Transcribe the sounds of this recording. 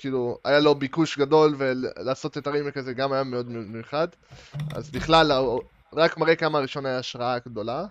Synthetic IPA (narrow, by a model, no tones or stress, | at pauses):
kiːlua̰jalobikuʃɡado̞lvellaːso̞t̪etaʁimekazeɡamajameo̞d̪memejuχad̪ | a̰zbiχlala | ʁakmaʁekamaʁiʃo̞najaːʃʁaaɡdo̞la